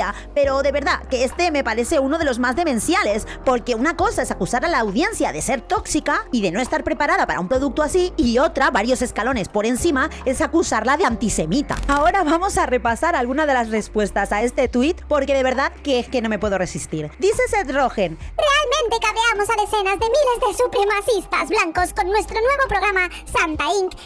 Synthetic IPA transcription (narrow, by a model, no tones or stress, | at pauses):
a | pe̞ɾo̞ðe̞βe̞ɾðakeest̪e̞me̞paɾe̞θe̞uno̞ð̞e̞lo̞zmazðe̞mẽ̞nsjale̞spo̞ɾke̞unako̞sae̞sakusaɾalaːwðje̞nθjaðe̞se̞ɾt̪o̞ksikaiðe̞no̞e̞st̪aɾpɾe̞paɾaðapaɾa̰umpɾo̞ð̞uk̚t̪oasiio̞t̪ɾaβaɾjo̞se̞skalo̞ne̞spo̞ɾe̞nsimae̞sakusaɾlaðeant̪ise̞mit̪a̰aoɾaβamo̞sare̞pasaɾalɣunað̞elasre̞spwe̞st̪asae̞st̪e̞t̪wit̪po̞ɾke̞ðe̞βe̞ɾðaðkeeske̞no̞me̞pwe̞ðo̞re̞sist̪iɾd̪iθe̞set̪ro̞xe̞nre̞almẽnt̪e̞kaβeamo̞saðe̞θe̞nazðe̞mile̞zðesupɾemaθist̪azblaŋko̞sko̞nːwe̞st̪ɾonwe̞βo̞pɾo̞ɣ̞ɾama | sant̪aiŋk